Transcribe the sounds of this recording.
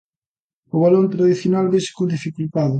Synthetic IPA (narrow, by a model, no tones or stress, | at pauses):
ʊβalont̪ɾaðiθjonalβese̥kũnd̪ifikult̪aðʊ